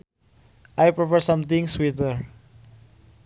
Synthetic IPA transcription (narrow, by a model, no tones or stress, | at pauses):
ʔajpɾɔfəɹsãmt̪ĩŋswit̪əɹ